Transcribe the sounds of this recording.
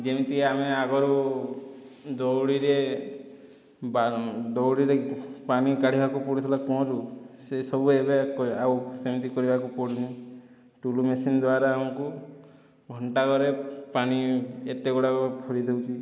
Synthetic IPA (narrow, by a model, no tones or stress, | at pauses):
d͡ʒemit̪iameaɡɔɾu | d̪ɔwɽiɾe | bad̪ɔwɽiɾepanikaɽ̤ibʱakupɔɽit̪ʰɔlakɔ̃ɾusesɔbuebekɔawsemit̪ikɔɾibʱakupɔɽini | ʈulumesind̪waɾaːmɔku | ɡʱɔɳʈaɡɔɾepaniet̪eɡɔɽakɔpʰuɾid̪ewt͡ʃʰi